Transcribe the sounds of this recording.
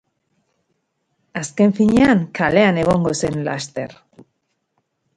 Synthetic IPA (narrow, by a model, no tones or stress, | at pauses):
aske̞ɱfiɲeaŋkʰale̞ane̞ɣ̞o̞ŋɡo̞se̞nla̰st̪e̞̰ɾ